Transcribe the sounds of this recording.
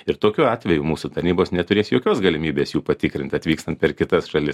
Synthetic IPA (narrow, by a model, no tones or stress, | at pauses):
ɪɾt̪oːkʲuːɑːt̪ʲʋʲɛjumuːsut̪ɐɾʲnʲiːboːsnʲɛt̪ʊɾʲeːsjoːkʲoːsɡɐlʲɪmʲiːbʲeːsjuːpɐt̪ʲɪkɾʲɪnt̪ɐt̪ʋʲiːkst̪ɐnt̪pʲɛɾkʲɪt̪ɐsʃɐlʲɪs